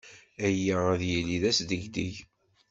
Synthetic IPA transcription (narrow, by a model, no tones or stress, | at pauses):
æjːææðjiliðæsd̪əʝd̪iʝ